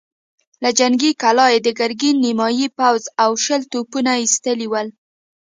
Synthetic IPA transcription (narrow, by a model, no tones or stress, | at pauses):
lad͡ʒaŋɡikalɑjed̪əɡaɾɡinːimɑjipawzawʃəlt̪opunaist̪əliwəl